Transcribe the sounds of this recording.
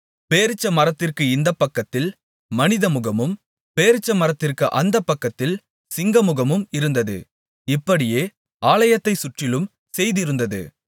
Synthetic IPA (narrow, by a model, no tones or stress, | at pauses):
peːɾɪt͡ʃːɐmɐɾɐt̪ːɪrkɯɪnd̪ɐpːɐkːɐt̪ːɪl | mɐnɪðɐmʊɣɐmɯm | peːɾɪt͡ʃːɐmɐɾɐt̪ːɪrkɯʔɐnd̪ɐpːɐkːɐt̪ːɪl | sɪŋɡɐmʊɣɐmɯmɪɾɯnd̪ɐðɯ̰ | ɪpːɐɽɪjeː | aːlɐjɐt̪ːɐɪsʊʈrɪlɯm | sɛjðɪɾɯnd̪ɐðɯ̰